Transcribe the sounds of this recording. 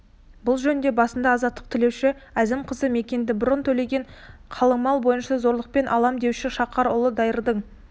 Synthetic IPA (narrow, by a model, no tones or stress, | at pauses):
bʊlˠʒɵnnd̪e̞bɑsənd̪ɑːzɑt̪ːəq̚t̪ʰɪlewʃɪæzɪmqʰəzəme̞kʲe̞nd̪ɪbʊɾənt̪ʰɵle̞ɡʲe̞ɴqʰɑlˠəɴmɑlˠbo̞jənʃɑzo̞ɾlˠəq̚pe̞nʔɑ̰lˠɑmd̪e̞wʃɪʃɑqɑɾʊ̰lˠəd̪ɑjəɾd̪əɴ